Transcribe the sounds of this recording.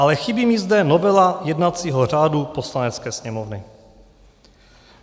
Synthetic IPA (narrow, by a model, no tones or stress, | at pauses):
alɛxɪbimizdɛnovɛlajɛdnat͡siːɦor̝aːdupo̞slanɛt͡skɛːsɲɛmovnɪ